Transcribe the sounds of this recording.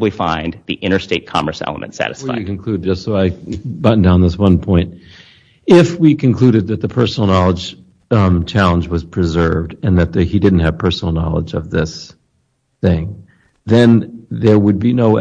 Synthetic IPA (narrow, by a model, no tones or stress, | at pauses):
blifã̰ɪ̃nðiʔɪ̃ɾ̃ə˞steɪt̚kʰɑ̰mə̰˞sɛ̰lˠə̰mɨ̰̃ntsæ̰ɾɨsfa̰ɪɨkɨ̃n̩kʰl̥ʉd̚d͡ʒʌstsoʊaɪbʌʔn̩dãʊ̃nðɪswʌ̃npʰɔ̃ɪ̃nt̚ | ɪfwikʰɨ̃n̩kʰl̥ʉɾɨd̪̚ðɨt̪̚ðəpʰɜ˞sn̩l̩ˠnɑlˠə̥d͡ʒ | t͡ʃʰælˠə̃nd͡ʒwʌz̥pʰɹ̥ɨzɜ˞vdɨ̃nðɨt̪̚ðɨidɪdⁿn̩thɨv̥pʰɜ˞sn̩l̩ˠnɑ̰lˠə̰d͡ʒʌvðɪs | θɪ̃ŋ | ðɨ̃nðə˞wəd̚binoʊ